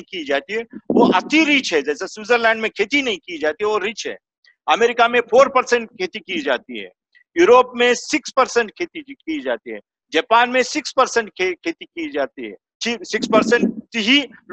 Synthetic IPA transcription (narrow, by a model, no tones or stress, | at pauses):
ĩkiːd͡ʒaːt̪iɦɛːʋoʔɐt̪iɾiːt͡ʃɦɛd͡ʒɛːseswuːzəɾlɛ̃ːɳɖmẽkʰeːt̪inɐɦĩkid͡ʒaːt̪iɦɛʋoɾiːt͡ʃɦɛ̰ː | ɐmeːɾɪkamẽpʰoːɾpɐɾsə̃ɳʈ̚kʰeːt̪ikid͡ʒaːt̪iɦɛ̰ː | juːɾoːpmẽsɪkspɐɾsə̃ɳʈ̚kʰeːt̪ikid͡ʒaːt̪iɦɛ̰ː | d͡ʒɐːpaːnmẽsɪkspɐɾsə̃ɳʈkekʰeːt̪ikid͡ʒaːt̪iɦɛ̰ː | t͡ʃisɪkspɐɾsə̃ɳʈtɦi